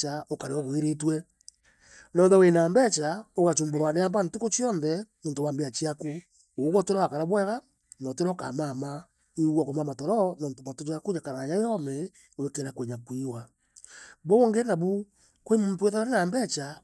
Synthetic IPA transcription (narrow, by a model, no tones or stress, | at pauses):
t͡ʃaokaɾeɔɣweɾetwɛ | nɔːnðɛwenaːmbɛt͡ʃaoɣat͡ʃuːmboɾwaneaːmbantukot͡ʃiɔnðɛmoːntowaːmbeat͡ʃiaku | ooɣɔteɾaakaɾaβwɛɣa | nɔteɾɔka̰mama | iɣwɔkomamatɔɾɔnɔːntomatot͡ʃakuɲakaɾaɲajɔme | oekeɾakweɲakwiwa | βooŋɡenaβu | kwemomtweðaβaɾenaːmbɛt͡ʃa